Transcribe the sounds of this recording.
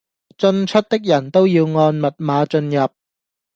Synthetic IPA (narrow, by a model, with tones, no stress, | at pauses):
t͡sɵ˧nt͡ʃʰɵ˥t̚t̪ɪ˥k̚jɐ˨˩nt̪o˥wjiː˧wŋɔː˧nmɐ˨t̚maː˨˧t͡ʃɵ˧njɐ˨˩p̚